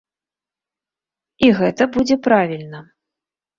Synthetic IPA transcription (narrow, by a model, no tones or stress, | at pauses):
iɣɛt̪ɐbud͡zʲɛpɾavʲilʲnɐ